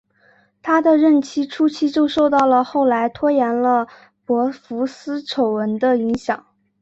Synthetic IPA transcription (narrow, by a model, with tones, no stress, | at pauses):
t̪ʰa˥d̪ə˨ɻə˥˩nt͡ɕʰi˥ʈ͡ʂʰu˥t͡ɕʰi˥˧t͡ɕjo˥˧ʊʂo˥˧ʊt̪ɑ˥˩ʊlə˩xo˥˩ʊla˧˥ɪt̪ʰwɔ˥jɛ˧˥nlə˧ | pwɔ˧˥fu˧˥sɹ̩˥ʈ͡ʂʰo˨˩ʊwə˧˥nd̪ə˧i˧˥ŋɕjɑ˨˩˦ŋ